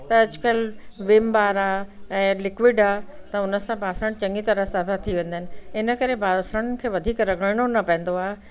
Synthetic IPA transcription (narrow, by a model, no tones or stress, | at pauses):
t̪ɐɐd͡ʑʊkəlʋɪmbaːɾaːɛ̃ːlɪkʋɪɖaːt̪ɐʊnə̆sãbʱaːsɾəɽ̃t͡ɕɐ̃ŋɡit̪ɐɾəɦsɐbat̪ʰiʋẽːnd̪ənɪ̆ɪnə̆kɐɾebʱaːsɾəɽ̃kʰeːʋɐd̪ʱiːkɾɐɡʱəɽɽ̃onɐpɐ̃ɦɪ̃n̆d̪oaːɦe